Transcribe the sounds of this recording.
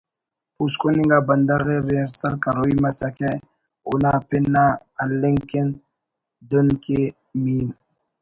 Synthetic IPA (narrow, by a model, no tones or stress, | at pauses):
puskoniŋɡaband̪aɾeɾɾsakaɾoimasaka | onapɛnːa | aleŋken | donke | min